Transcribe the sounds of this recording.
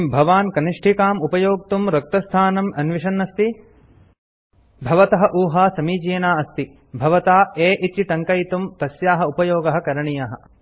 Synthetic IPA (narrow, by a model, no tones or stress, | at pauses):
mbʱɐʋaːnkɐniʂʈʰikaːmupɐjoːk̚t̪umɾɐk̚t̪ɐst̪ʰaːnɐmɐnʋiʃɐnːɐst̪i | bʱɐʋɐt̪ɐɦɐʔuːɦaːsɐmiːd͡ʒeːnaːɐst̪i | bʱɐʋɐt̪aːeːʔit̪iʈɐŋkɐjt̪umt̪ɐsjaːɦɐupɐjoːɡɐɦɐ̆kɐɾɐɳijaːɦɐ̆